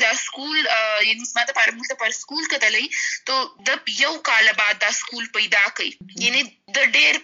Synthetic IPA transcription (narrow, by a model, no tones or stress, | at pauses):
d̪ɑskuljanizmɑd̪əpɑɾamult̪əpaɾskulkat̪əlajit̪od̪əjawkɑlabɑd̪ːɑskulpajd̪ɑkaijane | d̪əɖeɾ